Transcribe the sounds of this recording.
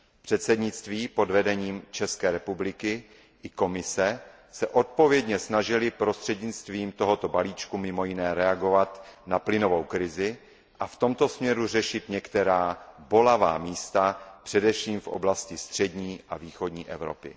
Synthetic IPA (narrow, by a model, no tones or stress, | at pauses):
pr̥ɛt̪sɛdɲɪt͡st̪viːpo̞dvɛdɛɲiːmt͡ʃɛskɛːɾɛpublɪkɪ | ʔɪko̞mɪsɛ | sɛʔo̞t̪̚po̞vjɛdɲɛsnaʒɪlɪpɾo̞st̪r̥ɛdɲɪt͡st̪viːmt̪o̞ɦot̪o̞baliːt͡ʃkumɪmo̞jɪnɛːɾɛaɡo̞vat̪naplɪno̞vo̞wkɾɪzɪ | ʔaft̪o̞mt̪o̞smɲɛɾur̝ɛʃɪt̪ɲɛkt̪ɛɾaːbo̞lava̰ːmiːst̪apr̝̥ɛdɛfʃiːmfʔo̰blascɪst̪r̝̥ɛdɲiːʔaviːxo̞dɲiːʔɛ̰vɾo̞pɪ̰